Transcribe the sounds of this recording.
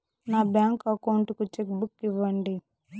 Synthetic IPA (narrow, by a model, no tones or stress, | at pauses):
naːbjaːŋkɐkɐwuɳʈukut͡ʃek̚bukːiʋːɐɳɖi